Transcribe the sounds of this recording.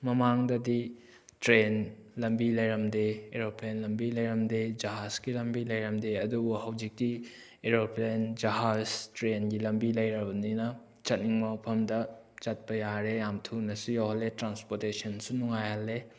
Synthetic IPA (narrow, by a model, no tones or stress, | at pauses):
mɐmaŋdɐdi | tɾenlɐmbilɐjɾɐmdeeɾoplenlɐmbilɐjɾɐmded͡ʒɐɦasɡilɐmbilɐjɾɐmdeɐdubuɦɐwd͡ʒik̚ti | eɾoplend͡ʒɐɦaztɾenɡilɐmbilɐjɾɐbɐninɐ | t͡ʃɐt̚niŋmɐpʰɐmdɐ | t͡ʃɐt̚pɐjaɾejamtʰunɐsujawhɐlːetɾanspoɾtesɐnsunuŋajhɐlːe